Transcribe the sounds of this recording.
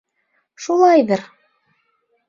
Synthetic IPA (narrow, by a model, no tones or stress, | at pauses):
ʃulˠɑjðɤɾ